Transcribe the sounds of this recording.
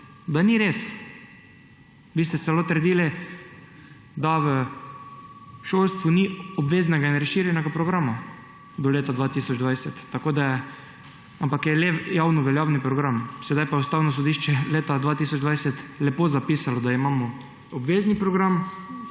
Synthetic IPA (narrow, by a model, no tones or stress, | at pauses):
d̪aniɾes | ʋiːst̪ɛt̪sɛloːt̪əɾd̪iːli | d̪aʋə | ʃolst̪ʋuniɔbʋeːznɛɡainɾəʃiɾjɛnɛɡapɾɔɡɾaːma | d̪ɔleːt̪ad̪ʋaːt̪iːsɔd͡ʒd̪ʋajsɛt̪ːakod̪ajɛ | ampakjɛlejaːwnuʋɛljawnipɾɔɡɾamsɛd̪ajpajɛust̪aːwnɔs̬ɔd̪iːʃt͡ʃɛleːt̪ad̪ʋaːt̪isɔd͡ʒd̪ʋajsɛt̪lɛpoːzapiːsalɔd̪aimaːmɔ | obʋeːznipɾɔɡɾam